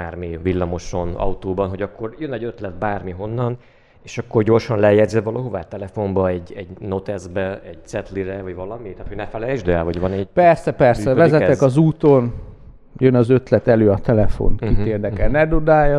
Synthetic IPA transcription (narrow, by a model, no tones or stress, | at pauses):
aːrmivilːɒmo̞ʃo̞nɒ̰wt̪oːbɒnɦo̞ɟɒkːo̞rjønɛɟøt̪lɛt̪̚baːrmiɦo̞nːɒn | eːʃɒkːo̞rɟo̞rʃɒnlɛjɛɟ̪zɛvɒlɒɦovaːt̪ɛlɛfo̞mbɒɛɟɛɟno̞t̪ɛzbɛɛɟ̥t̪sɛt̪liɾɛvɒɟvɒlɒmit̪aːt̪hoɟnɛfɛlɛjʒd̪ɛlvɒɟvɒnɛɟpɛrsɛpɛrssɛvɛzɛt̪ɛkɒzuːt̪o̞n | jønɒzø̞t̪lɛt̪ɛløːɒt̪ɛlɛfo̰nt̪kit̪eːrnɛkɛnɛd̪ud̪aːjɒ